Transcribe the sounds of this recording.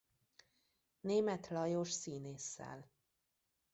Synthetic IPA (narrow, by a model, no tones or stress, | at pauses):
neːmɛt̪lɒjoʃsiːneːsːɛ̰l